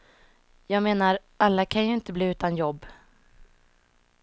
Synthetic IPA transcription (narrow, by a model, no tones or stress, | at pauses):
jɑːɡmeːnaɾʔalːakʰanjɵɪnt̪əbliːʉ̟ːt̪anjɔbː